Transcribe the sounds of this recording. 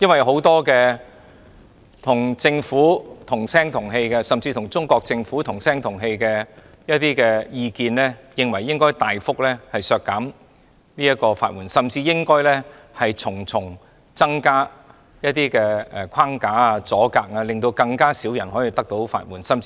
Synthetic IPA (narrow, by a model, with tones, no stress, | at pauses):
jɐ˥nwɐ˨jɦo˨˥wt̪ɔː˥kɛː˧ | t̪ʰʊ˨˩ŋt͡sɪ˧ŋfuː˨˥t̪ʰʊ˨˩ŋsɛː˥ŋt̪ʰʊ˨˩ŋɦe˧jkɛ˧sɐ˨mt͡siː˧t̪ʰʊ˨˩ŋt͡sʊ˥ŋkɔː˧k̚t͡sɪ˧ŋfuː˨˥t̪ʰʊ˨˩ŋsɛː˥ŋt̪ʰʊ˨˩ŋɦe˧jkɛː˧ | jɐ˥t̪̚iː˥kɛː˧jiː˧kiː˧nlɛː˥jɪ˧ŋwɐ˨˩jːɪ˥ŋkɔː˥jt̪aː˨jfʊ˥k̚lɛː˥hɐ˨jsœː˧kːaː˨˥m | niː˥jɐ˥t̚kːɔː˧fa̰ː˧˩t̚wuː˨˩nsɐ˨mt͡siː˧jɪ˥ŋkɔː˥jlɛː˥ | hɐ˨jt͡sʰʊ˨˩ŋt͡sʰʊ˨˩ŋ | t͡sɐ˥ŋkaː˥ | jɐ˥t̪̚iː˥kɛː˧ɛ˨kʰaː˥ŋkaː˨˥a˧t͡sɔː˨˥kaː˧k̚aː˧lɪ˨ŋt̪o˧wkɐ˧ŋkaː˥siː˨˥wjɐ˨˩nhɦɔː˨˥jiː˨˧t̪ɐ˥k̚t̪o˨˥wfa̰ː˧t̚wuː˨˩nsɐ˥m